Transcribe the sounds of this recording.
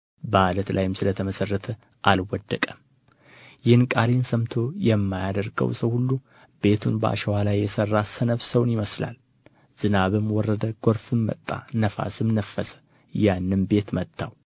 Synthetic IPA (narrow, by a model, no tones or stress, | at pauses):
balət̪lajɪmsɨlət̪ʰəməsərːət̪ʰə | ʔalwɔd̪ːəkʼəm | jɪhɨnkʼalensəmt̪ʰo̞jɛmːajad̪əɾɡə̰wsəwhulːu | be̞t̪ʰunbəa̰ʃɛwalajːɛsərːasənəfsəwnjɪməsla̰l | z̥ɨnaβɨmwɔrːəd̪əɡ̥o̞ɾfɨmːə̰t̪ʼːa̰nəfa̰sɨmnəfːəsə̥ | janːɨnbe̞t̪mət̪ʰːaw